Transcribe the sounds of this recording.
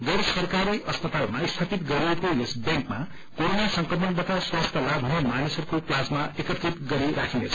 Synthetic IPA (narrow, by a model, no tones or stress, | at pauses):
ɡʌɾsʌrkaɾiʔʌspʌt̪almaist̪ʰapit̪ɡʌɾiekojesbjaŋkma | koɾonasʌŋkrʌmʌnd̪ʌt̪aswast̪ʰʌlabʱʌnemanisʌɾukoplasmaekʌt̪rit̪ɡʌɾiɾakʰinḛt͡sʰʌ